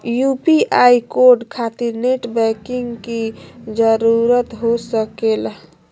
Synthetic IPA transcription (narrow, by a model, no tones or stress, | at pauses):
jupiʔaikoɾɖkʰat̪iɾneʈbɛkiŋɡkid͡ʒəɾuɾət̪ɦosəkel